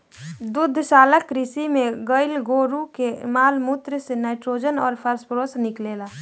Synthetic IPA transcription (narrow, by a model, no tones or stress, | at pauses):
d̪ʊd̪ʱːʃaːləkːɾɪsimẽɡəɪlɡoːɾukemaːlmuːt̪ɾəsenaːɪʈɾoːd͡ʒənɔːɾpʰəɾspɾoːsnɪkleːlaː